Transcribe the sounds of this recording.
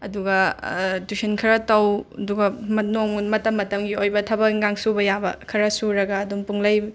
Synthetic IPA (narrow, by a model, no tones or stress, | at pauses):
ɐduɡɐdusenkʰɐɾɐtɐwɐduɡɐmɐnoŋmɐtɐmːɐtɐmɡiojbɐtʰɐbɐŋɡaŋsubɐjabɐ̰kʰɐɾɐsuɾɐɡɐːdumpuŋlɐj